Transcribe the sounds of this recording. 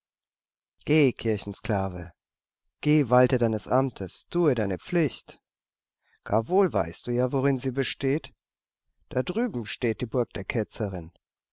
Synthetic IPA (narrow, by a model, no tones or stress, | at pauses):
ɡ̥eːkʰɪɐçn̩skl̥aːvə̰ | ɡ̥eːvaltədaɪnəsʔa̰mtʰəstʰuːədaɪnəp͡flɪçt | ɡ̥a̰ːɐvoːlva̰ɪst̚d̥uːjaːvoʁɪnziːbəʃteːt | d̥adʁyːbm̩ʃteːt̚d̥iːbʊɐk̚d̥eːɐkʰɛt͡səʁɪn